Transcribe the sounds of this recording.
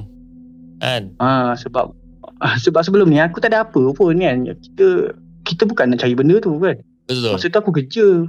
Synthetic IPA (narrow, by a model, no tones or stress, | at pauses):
ʔaʔə̃səba̰p̚ː | səbap̚səbəlomniakut̪adapəponanki̥t̪ə | kit̪əbukanat͡ʃawibəndət̪ukan | bəɔsət̪uakukət͡ʃə